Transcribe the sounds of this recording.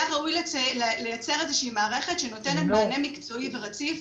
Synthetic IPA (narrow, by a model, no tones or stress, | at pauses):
aʁaujlllejat͡seʁezeʃiiːmaːʁe̞χe̞tʃeno̞te̞net̪baːnemikt͡so̞iveʁat͡sif